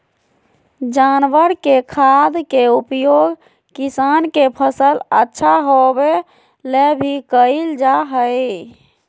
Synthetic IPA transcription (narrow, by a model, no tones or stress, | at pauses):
d͡ʒanʋəɾkekʰad̪keupjoɡ | kisankepʰəsələtːʃʰaɦobe | lebʱikəild͡ʒaɦəɪ